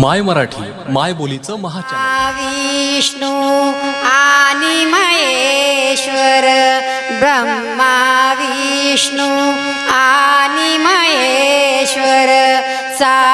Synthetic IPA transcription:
majməɾaʈʰḭː | majbolit͡səːməɦat͡ɕaʋiʂɳu | animəjeɕʋɐɾ | bɾɐmːaʋi | ʂɳu | animɐeɕʋɐɾ | sa

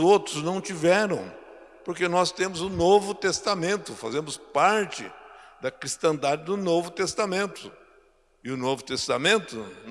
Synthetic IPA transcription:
owt̪ɾʊznɐ̃w̃t͡ʃivɛɾɐ̃w̃ | poɾkenɔst̪ẽmʊzʊnovʊt̪est̪amẽnt̪ʊfa̰zẽmʊspaɾt͡ʃɪ̰d̪ɐkɾist̪ɐ̃d̪ad͡ʒɪd̪ʊnovʊt̪est̪amẽnt̪ʊ | ɪʊnovʊt̪est̪amẽnt̪ʊn

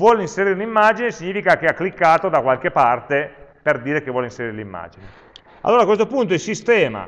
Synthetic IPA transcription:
vwɔlinseɾiːɾeunimːad͡ʒinesiɲːiːfikak̟eakːlikːaːt̪od̪akwalk̟epːart̪eperd̪iːɾek̟evwɔlinseɾiːɾelimːa̰ːd͡ʒine | a̰lːoːɾakwes̬t̪opunt̪̬oilsist̪ɛːma̰

